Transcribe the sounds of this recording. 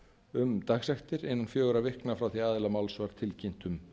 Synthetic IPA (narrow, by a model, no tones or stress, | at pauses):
ʏmt̪axsɛxt̪ɪɾɪnːanfjœːɣʏɾavɪhknafɾawθiaːðɪlamawlsvaɾ̥t̪ʰɪlcɪn̥t̪ʏm